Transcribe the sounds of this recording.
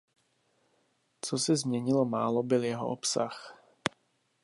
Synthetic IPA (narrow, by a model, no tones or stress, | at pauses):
t͡sosɛzmɲɛɲɪlomaːlobɪljɛɦo̰ʔopsax